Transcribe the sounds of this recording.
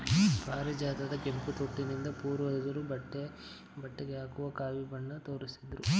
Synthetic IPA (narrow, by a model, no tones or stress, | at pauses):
paːɾid͡ʒaːt̪ɐd̪ɐkemput̪oʈːinind̪ɐpuːɾʋɐd̪ɐd̪ɐɾubɐʈːe | bɐʈːeɡeaːkuʋɐkaːʋibɐɳːɐt̪o̞ːɾisid̪ɾu